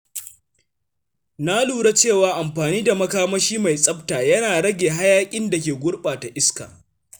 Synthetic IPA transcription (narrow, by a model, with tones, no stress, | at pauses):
na˦luː˨ɽa˦t͡ʃeː˦˨waː˨ʔa˨mɸaː˨niː˦da˨mɐ˦kaː˦mɐ˦ʃiː˦ma˨jsʼɐ˦p̚taː˨jɐ˦naː˨ɽɐ˦ɡʲeː˨ɦa˦jaː˦kʲʼɪ˦nda˨k̬ʲeː˨ɡʷʊ˦ɽɓaː˨ta˨ʔɪ˦ska̰ː˨